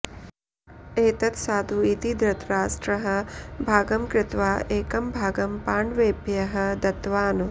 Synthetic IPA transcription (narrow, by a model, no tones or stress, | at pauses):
eːt̪ɐt̪saːd̪ʱuit̪id̪ɾɐt̪ɾaːsʈɾɐɦɐ̆bʱaːɡɐmkɾɪt̪ʋaːʔeːkɐmbʱaːɡɐmpaːɳʋeːbjɐɦɐ̆d̪ɐt̪ʋaːnu